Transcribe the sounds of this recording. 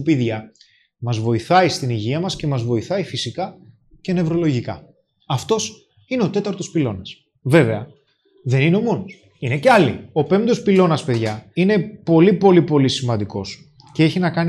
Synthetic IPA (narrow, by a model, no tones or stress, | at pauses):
upiðʝɐ | mɐzvo̞iθɐist̪iniʝiɐmɐsce̞mɐzvo̞iθɐifisikɐ | ce̞ne̞vɾo̞lo̞ʝikɐ̰ | ɐft̪o̞s | ineo̞t̪e̞t̪ɐɾt̪o̞spilo̞nɐs | ve̞ve̞ɐ | ðe̞nineo̞mo̞nos | ine̞ceɐlḭo̞pe̞md̪o̞spilo̞nɐspe̞ðʝɐine̞po̞lipo̞lipo̞lisimɐnd̪iko̞̰s | ce̞eçinɐkɐn